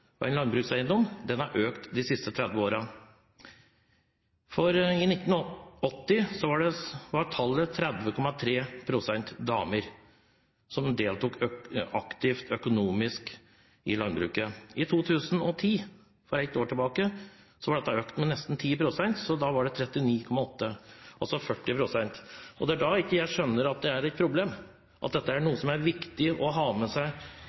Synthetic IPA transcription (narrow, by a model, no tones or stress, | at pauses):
ɔɛ̰nlɑnbɾʉːksæɪənd̪ɔmd̪ɛnɑɾʔøːkt̪d̪ɪsɪst̪ət̪ʰɾæd̪ʋəoːɾɑ | fɔɾɪnɪt̪ːn̩ɔt̪ːɪsɔʋɑɖɛʋɑʈʰɑlːət̪ʰɾɛd̪ʋəkʰɔmɑt̪ʰɾeːpʰɾʊsɛnt̪d̪ɑ̰ːməɾ | sɔmd̪eːlt̪uːkɑkt̪ɪft̪ʰœkʊnuːmɪsk | ɪlɑnbɾʉ̰ːkəɪt̪ʰuːt̪ʰʉːsn̩ɔt̪ʰiː | fɔɾɛɪt̪oːʈʰɪlbɑːkə | sɔʋɑɖɛt̪ːɑøːkt̪mɛnɛst̪n̩t̪ʰiːpɾʊsɛnt̪sɔd̪ɑʋɑɖɛt̪ʰɾɛt̪ːɪniːkʰɔmːɑɔt̪ːəɑsɔfœʈːɪpʰɾʊsɛnt̪ɔd̪ɛæɖɑɪkːəjæɪʂœnːəɾɑt̪̚d̪ɛæɾɛɪt̪pʰɾʊbleːm | ʔɑt̪̚d̪ɛt̪ːəæɳuːəsɔmæɾʋɪkt̪ɪʔɔɦɑːmɛsæɪ